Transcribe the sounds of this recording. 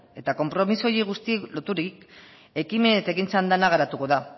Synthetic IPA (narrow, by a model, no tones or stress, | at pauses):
e̞t̪ako̞mpɾo̞miso̞jiɣust̪ilo̞t̪uɾik | e̞kiment̪ekint͡sand̪anaɣaɾat̪uko̞ða